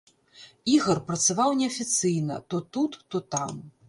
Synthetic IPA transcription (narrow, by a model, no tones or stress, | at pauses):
iɣɐrpɾɐt̪savawnʲɛɐfʲit̪sɨjnɐ̰t̪ɔt̪ut̪ːɔt̪am